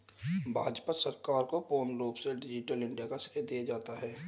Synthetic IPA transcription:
bʱaːd͡ʒpasəɾkaːɾkopoːnloːbseɖɪd͡ʒɪʈəlɪ̃ɳɖijakasɪ̥ked̪ijad͡ʒaːt̪aɦɛː

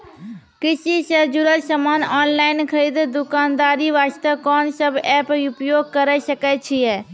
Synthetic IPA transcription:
kɪsisəd͡ʒʊɾətsəmaːnɔːnlaːɪnkʰəɾiːd̪d̪ʊkaːnd̪aːɾiʋaːst̪əkɔːnsəbɛːpʊpjoːɡ̚kəɾɛsəkɛt͡ʃʰiɛː

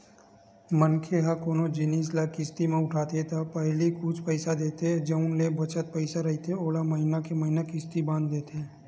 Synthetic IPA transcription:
mənkʰeɦɐkoːnod͡ʒɪniːslakːɪst̪imẽʊʈʰaːt̪et̪apəɦlikʊt͡ʃʰpəɪsad̪eːt̪eed͡ʒəʊ̃nlebɐt͡ʃət̪̚pəɪsaɾɐɦit̪ʰeoːlamɐɦɪnakemɐɦɪnakɪst̪ibãːnd̪ːeːt̪ɛː

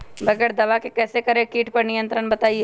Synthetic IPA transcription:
bɐɡəɾd̪ɐʋakekɛːsekɐɾẽkiːʈpɐɾnɪjə̃nt̪ɾənbɐt̪aːie

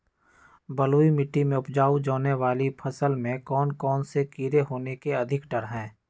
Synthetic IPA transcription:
bɐloːimɪʈːimẽʊpd͡ʒaːud͡ʒɔːneʋaːlipʰɐsəlmẽkɔːnkɔːnsekiɾeɦoːnekeɐd̪ʱɪkɖəɾɦɛ̃ː

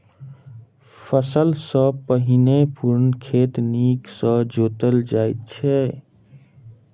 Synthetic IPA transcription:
pʰəsəlsə̃pəɦinepuɾnkʰet̪niksə̃d͡ʒot̪əld͡ʒajt̪̚t͡ʃʰɛ

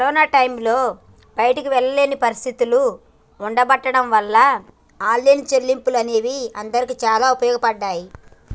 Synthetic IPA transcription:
kɐɾɔːnaːʈɐjmlo̞ː | bɐjɐʈɐkuʋɛɭːɐle̞ːnipɐɾist̪ʰit̪uluː | ɳɖɐbɐʈːɐɽɐmʋɐlːɐ | aːlːent͡ʃeɾlːimpulɐne̞ːʋiɐnd̪ɐɾikiːt͡ʃaːlaːupɐjɔːɡɐpɐɖːaːji

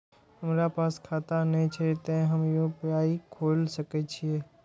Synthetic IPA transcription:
həmɾapaːskʰaːt̪anəĩt͡ʃʰet̪ẽɦəmjopjaːikʰoːlsəket͡ʃʰieː

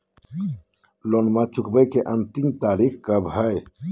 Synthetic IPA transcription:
lonmãt͡ʃukbəjkeʔənt̪imt̪aɾikʰkəbʱəj

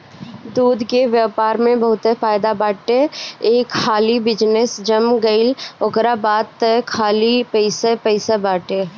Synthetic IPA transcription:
d̪uːd̪ʱkeʋjaːpaːɾmẽbəɦʊt̪ɛfaːɪd̪abaːʈeeːkxaːlibɪd͡ʒnesd͡ʒəmɡəɪloɡɾabaːt̪ːɛkʰaːlipəɪsepəɪsabaːʈe

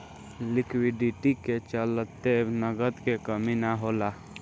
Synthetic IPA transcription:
lɪkwiɖiʈiket͡ʃəlt̪enəɡət̪kekəminaɦola

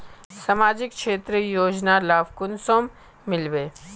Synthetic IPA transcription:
sɐmaːd͡ʒɪkʃeːt̪ɾəjoːd͡ʒnalaːʋkʊnsoːmː | ɪlʋeː

